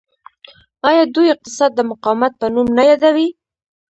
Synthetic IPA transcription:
ɑjɑd̪ujɪq̚t̪ɪsɑd̪ːəmʊqɑwmat̪̚pənumnajɑd̪awi

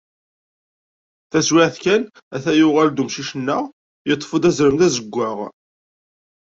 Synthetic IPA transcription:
θæzwɪʕθkæn | æθæjʊʁæld̪umʃiʃənːəʁ | jət̪ˤːfəd̪æzɾəmðæzəɡʷːəʁ

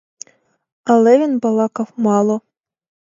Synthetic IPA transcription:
ɐlˠɛʋʲinbɐlˠɑkɐwmɑlˠɔ

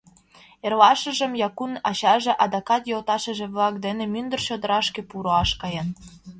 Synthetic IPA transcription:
erlɑʃə̆ʒə̆mjɑkunɑɕɑʒĕʔɑd̪ɑkɑt̪jolt̪ɑʃə̆ʒĕβlˠɑkd̪enĕmynd̪ə̆rɕod̪ə̆ɾɑʃkĕpuɾoɑʃkɑjen

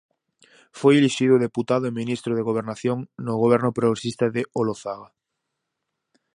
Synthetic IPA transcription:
fojeliʃiðʊðeput̪aðʊemĩnist̪ɾoðeɣoβ̞eɾnaθjoŋnoɣoβ̞ɛɾnʊpɾoɣɾesist̪aðeoloθaɣa

